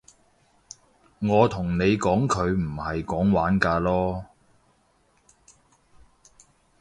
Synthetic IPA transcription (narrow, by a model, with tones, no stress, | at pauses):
ŋɔː˨˧t̪ʰʊ˨˩ŋne˨˧jkɔː˨˥ŋkʰɵ˨˧ɥm̩˨˩hɐ˨jkɔː˨˥ŋwaː˨˥nkaː˧lɔː˥